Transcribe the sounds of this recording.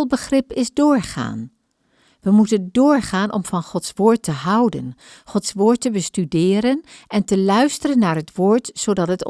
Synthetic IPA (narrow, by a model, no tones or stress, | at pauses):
lˠbəχrɪpɪzdʊːɹχa̰ːn | ʋəmutəndʊːɹχaːnʔɔ̰mvɑnχɔtsʋʊːɹtəɦʌwdə̰nχɔtsʋʊːɹtːəbəstydɪːɾənʔɛntəlœɥstərənːaːɹɦətʋʊːɹtsodɑtɦət